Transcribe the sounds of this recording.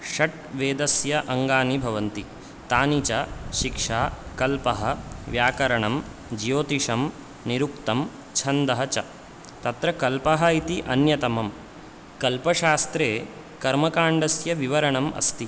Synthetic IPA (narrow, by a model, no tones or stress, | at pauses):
ʃɐʈ | ʋeːd̪ɐsjɐʔɐŋɡaːnibʱɐʋɐnt̪i | t̪aːnit͡ʃɐʃikʂaːkɐlpɐɦɐ̆ʋjaːkɐɾɐɳɐm | d͡ʒijoːt̪iʂɐm | niɾuk̚t̪ɐm | t͡ʃʰɐnd̪ɐɦɐt͡ʃɐ | t̪ɐt̪ɾɐkɐlpɐɦɐit̪iʔɐnjɐt̪ɐmɐm | kɐlpɐʃaːst̪ɾeː | kɐɾmɐkaːɳɖɐsjɐʋiʋɐɾɐɳɐmʔɐ̰st̪i